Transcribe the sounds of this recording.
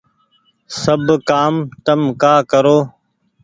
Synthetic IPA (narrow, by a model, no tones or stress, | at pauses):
səbkaːmt̪əmkaːkəɾoː